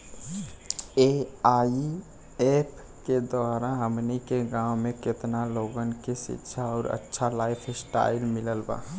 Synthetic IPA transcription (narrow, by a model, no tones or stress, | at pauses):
eai | epʰ | ked̪oaɾaɦəmnikeɡãwmeket̪naloɡənkesḭtːʃʰaɔːɾə̰tːʃʰalajpʰsʈa̰ilmiləlba̰